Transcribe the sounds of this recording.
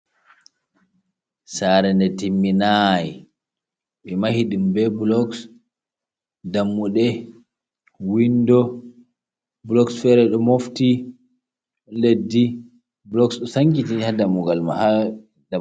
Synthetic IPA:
saːɾɛndɛtimːinaji | ɓɛmahiɗimbɛblɔks | damːuɗɛ | windɔ | blɔksfɛɾɛɗɔmofti | ɗɔnledːi | blɔksɗɔsaŋkitihadamuɡalma̰ha | da

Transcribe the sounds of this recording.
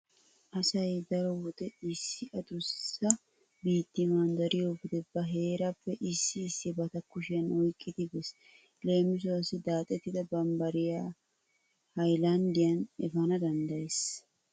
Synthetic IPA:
ʔɐsɐjd̪ɐɾɔwɔd̪ɛɪsːɪʔɐd̪ʊɾʊsɪsɐ | biːt̪ːɪmaːnd̪ɐɾɪjoːfɪd̪ɛbɐɦe̞ːɾɐpːɛʔɪsːɪːsːɪbɐt̪ɐkʊʃɪjɐnɔjkʼːɪd̪ɪbɛs | le̞ːmɪs̬ʊɐsɪd̪aːt̪ʼɛt̪ːɪd̪ɐbɐmbɐɾɪjaː | hɐjlɐnd̪ɪjɐnɛfɐnɐd̪ɐnd̪ɐjes

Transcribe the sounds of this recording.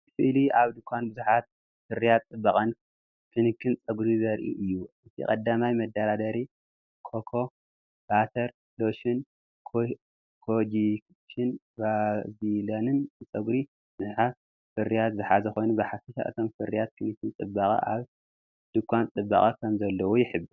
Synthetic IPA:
fɨʔliaβd̪ɨkʷʰːanbɨzuħat̪̚ | fɨɾijat̪t͡sʼɨbːaχʼɐn | kʰɨnɨkʰɨnt͡sʼɐɡɾizɐɾʔḭʔɨjːuʔɨt̪ʰḭkʼɐd̪ːamajmɐd̪ːaɾad̪ɐɾi | kʰokʰo̞ | b̥at̪ʰɐɾ | loʃin | kʰ | kʰod͡ʒi | ʃɨn | bazilonɨnt͡sʼɐɡɾi | bɨzuħa | fɨrːijat̪zɨħazɐxo̞jnubɐħafiʃa̰ʔɨ̰t̪ʰo̞mfɨrːijat̪̚kʰɨnikɨnt͡sʼɨbːakʼɐ̰ʔaβ | d̪̥ɨkʰʷwant͡sʼɨbːa̰χʼɐkʰɐmzɐlːɐwojɪħɨbːɨ

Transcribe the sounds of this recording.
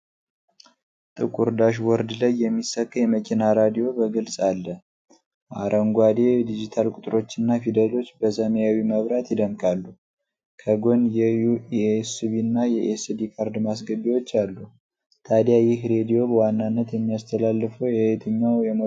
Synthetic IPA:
t̪ʼɨkʼuɾd̪aʃwɔɾd̪lajːɛmːisəkʼːjɛməkʲʼinaɾad̪ijo̞bəɡɨlsʼalːə | maɾʔəŋɡʷad̪ed̪id͡ʒit̪ʰalkʼut̪ʼɾo̞t͡ʃːɨnːafid̪əlo̞t͡ʃːbəsəməjawiməβɾat̪jɪd̪əmkʼalːu | kʰəɡo̞njɛjuiesiβinːajɛʔesd̪ikʰaɾd̪mas̬ɡəβiwo̞t͡ʃːalːu | t̪ʰad̪jajɪhɾe̞d̪ijo̞bəwanːanːət̪jɛmːijast̪ʰəlalːɨfəwjɛt̪ʰɨɲːawjɛm

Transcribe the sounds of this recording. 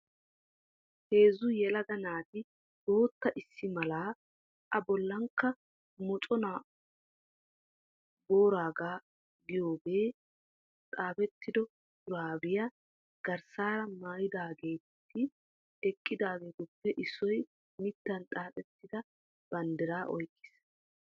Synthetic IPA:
he̞ːzʊjɛlɐɡɐnaːt̪ɪ | d̪o̞ːt̪ːɐʔɪsːɪmɐlaː | ʔɐbɔlːɐŋkːɐ | mɔt͡ʃʼɔna | bo̞ːɾaːɡaː | ɡɪjo̞ːbe̞ː | t̪ʼaːpɛt̪ːɪd̪ɔ | ʊɾaːbɪjɐ | ɡ̥ɐɾsaːɾɐmaːjɪd̪aːɡeːt̪ːɪ | ɛkʼːɪd̪aːɡeɡ̪ʊpːɛʔɪsɔj | mɪt̪ːɐnt̪ʼaːpɛt̪ːɪd̪ɐ | b̥ɐnd̪ɪɾaːʔɔ̰jkʼːɪ̥s

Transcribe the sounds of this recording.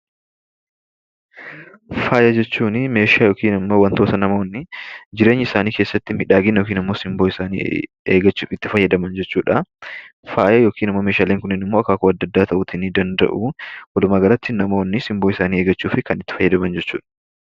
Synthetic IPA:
faːjɐd͡ʒɛt͡ʃːuːnɪme̞ːʃaːjoːkiːnɪmːo̞ːwɐnt̪o̞ːt̪ɐnɐmoːnːɪd͡ʒɪɾe̞ːɲːɪɪsaːniːkeːsːɐt̪ːɪmɪᶑaːɡɪnjoːkiːnɪmːo̞ːsɪmboːɪsaːnḭː | ḛːɡɐt͡ʃːɪt̪ːɪfɐjːɐd̪ɐmɐnd͡ʒɛt͡ʃːuːᶑɐ | faːjɐjo̞ːkiːnɪmːomeːʃaːleːŋkʊnːɪnɪmːoːɐkːaːkʊɐd̪ːɐd̪ːaːt̪ɐʔʊt̪ɪnɪd̪ɐnd̪ɐ̰ʔuwɐlʊmaːɡɐɾɐt̪ːɪnɐmo̞ːnːɪsɪmboːɪsaːniːe̞ːɡɐt͡ʃːuːfɪkɐnɪt̪ːɪ̥fɐjːɐd̪ɐmɐnd͡ʒɛt͡ʃːṵːᶑɐ̥

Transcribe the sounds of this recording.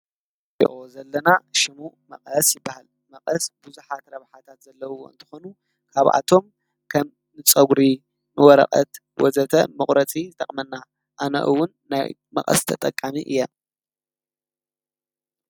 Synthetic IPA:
iʔozɐlːɐnaʃɪmumɐ̰qʼɐsjɪbːahal | mɐqʼɐsbuzuħat̪ɾɐβħat̪ʰat̪zɐlːɐwuɨnt̪ʰɨ̥xonu | kʰaβʔa̰t̪ʰo̞m | kʰɐm | nɨt͡sʼɐɡɾi | nɨwɔɾɐ̰χʼɐ̰t̪ | wɔzɐt̪ʰɐmɨχʼɾɐt͡sʼizɨt̪ʼɐχʼmɐnːa | ʔanɐ̰ʔɨwʊnːa̰jmɐ̰χʼɐ̰st̪ʰɐt̪ʼɐkʼːamiʔɨ̰jːɐ

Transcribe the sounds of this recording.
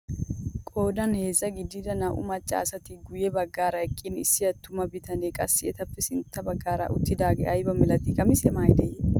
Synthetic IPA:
kʼo̞ːd̪ɐnheːzːɐɡɪd̪ːɪd̪ɐnɐʔʊ̰mɐt͡ʃʼːɐ̰ːsɐt̪ɪɡʊjɛbɐɡːaːɾɐɛkʼːɪnɪ̰sːɪjɐt̪ːʊmɐbɪt̪ɐneːkʼɐsːɪʔɛt̪ɐpːɛsɪnt̪ːɐbɐɡːaːɾɐ̰ʔʊ̰t̪ːɪd̪aːɡḛʔɐjbɐmɛlɐt̪ɪkʼɐmɪsɛmaːjd̪ɛj

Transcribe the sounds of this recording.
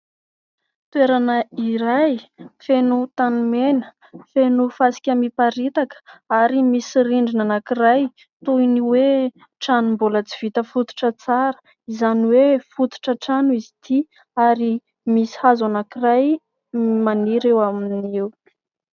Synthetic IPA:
t̪weɾanəiɾajfenut̪anumenə̥ | fenufasi̥kʲəmipaɾit̪akə̥aɾimisiɾiɳɖ͡ʐinanakiraj | t̪ujniwe | ʈ͡ʂanumbulət͡si̥v̥it̪əfut̪u̥ʈ͡ʂət͡saɾə̥ | izaniwefut̪u̥ʈ͡ʂəʈ͡ʂanuizit̪ʰi | aɾi | misi̥hazanakiraj | maniɾewaminiw

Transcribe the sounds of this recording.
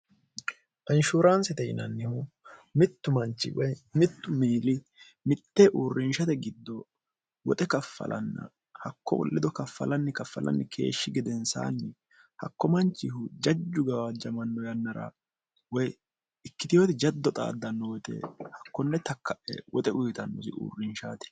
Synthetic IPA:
ʔɐnʃuːɾansɛt̪ɛjɪ̰nɐ̰nːɪhʊ | mɪt̪ːʊmɐnt͡ʃːɪ̰wɔjmɪt̪ːʊmiːlɪ | mɪt̪ːɛʔuːrːɪnʃɐt̪ɛɡɪd̪ːɔ | wɔt̪ʼɛkɐfːɐ̰lʔɐ̰nːɐ̰ | hɐkːɔ̰wɔ̰lːɪd̪ɔkɐfːɐ̰lɐnːɪkɐfːɐ̰lɐ̰nːɪkʰe̞̰ːʃːɪɡɪd̪ɛnsa̰ːnːɪ | hɐkːɔmɐnt͡ʃːɪhʊd͡ʒɐd͡ʒːʊɡɐwad͡ʒɐmɐnːɔjɐnːɐɾɐ̰ | wɔj | ɪkːɪt̪ɪjɔt̪ɛd͡ʒɐd̪ːɔt̪ʼa̰ːd̪ːɐnːɔwɔt̪ɛ̰hɐkːɔnːɛt̪ɐkːɐʔɛ̰wɔt̪ʼɛʔʊjt̪ɐnːɔsɪʔṵːrːɪnʃaːt̪ɪ̥

